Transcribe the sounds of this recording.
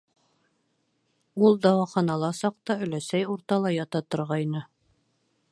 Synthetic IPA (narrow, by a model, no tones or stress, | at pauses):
ulˠd̪ɑwɑχɑnɑlˠɑsɑq̚t̪ɑɵ̆læsæjuɾt̪ɑlˠɑjɑt̪ɑt̪ŏɾʁɑjnɤ